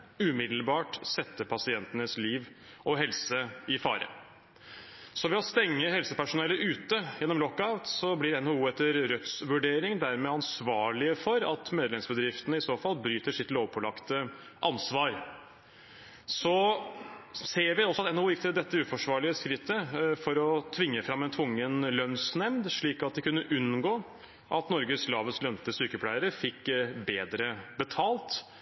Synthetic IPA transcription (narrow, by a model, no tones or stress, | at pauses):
ʉːmɪd̪l̩bɑːʈsɛt̪ːəpʰɑsɪɛnt̪ənəsliːʋ | ʔɔɦɛlsəɪfɑ̰ːɾə̰ | sɔʋɛɔst̪ɛŋːəɦɛlsəpæʂʊnɛləʔʉːt̪əjɛnːɔmlɔkːɑʋsɔblɪɾɛnhouːɛt̪ːəɾɾœt̪sʋʉɖeːɾɪŋd̪æɾmɛːɑnsʋɑːɭɪəfɔɾɑt̪meːd̪lɛmsbəd̪ɾɪft̪ənəɪsoːfɑlbɾyːt̪əʂɪt̪loːʋpʰɔlɑkt̪ə | ʔɑnsʋɑːɾ | sɔ | seːɾʋɪɔsɔɑt̪ɛnhuːjɪk̚ːt̪ʰɪld̪ɛt̪ːəʉːfɔʂʋɑːɭɪəskɾɪt̪ʰːəfɔɾɔt̪ʰʋɪŋːəfɾɑmɛnt̪ʰʊŋːənlœnsnɛmd̪ʂɭiːkɑt̪̚d̪ɪkʉnːəʔʉnɡoː | ʔɑt̪nɔɾɡəslɑːʋəslœnt̪əsyːkəpʰlæɪəɾəfɪkːbeːd̪ɾəbət̪ʰɑːlt̪